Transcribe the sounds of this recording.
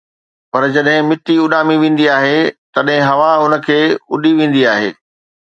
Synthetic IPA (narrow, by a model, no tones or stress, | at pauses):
pɐɾd͡ʑɐɗɦɪ̃mɪʈiʊɗaːmiʋẽːn̆d̪iaːɦet̪ɐɗɦɪ̃ɦɐʋaʊnə̆kʰeːʊɗiʋẽːn̆d̪iaːɦḛː